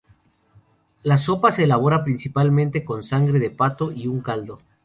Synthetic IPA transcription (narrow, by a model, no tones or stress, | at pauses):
laso̞pase̞ːlaβ̞o̞ɾapɾinsipalmẽnt̪e̞ko̞nsaŋɡɾe̞ðe̞pat̪o̞ʔiuŋkald̪o̞